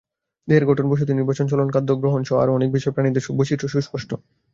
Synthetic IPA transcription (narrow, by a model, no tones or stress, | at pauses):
d̪eɾɡɔʈʰonboʃ̬ot̪iniɾbat͡ɕont͡ɕɔlonkad̪ʱːoɡɾoɦonʃɔa̰ɾɔnek̚biʃɔepɾanid̪eɾʃubot͡ɕiʈʰoʃuʃpoʃʈo